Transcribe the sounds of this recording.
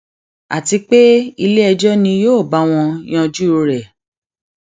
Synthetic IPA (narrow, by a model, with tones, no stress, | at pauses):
a̰˨ti˧k͡pe˦i˧le˦ɛ˧d͡ʒɔ˦nĩ˧joː˦˨ba˨˦w̃ɔ̃˧j̃ɔ̃˧d͡ʒu˦˧ɾɛ˨